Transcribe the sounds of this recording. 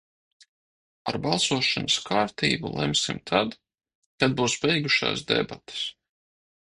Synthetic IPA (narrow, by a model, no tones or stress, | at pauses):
a̰ɾbalˠsuɔʃanaskʰaːɾt̪ḭːbulˠɛ̰msimt̪ʰad̪ | kad̪̚buːsbɛjɡuʃa̰ːsd̪ɛ̰bat̪e̥s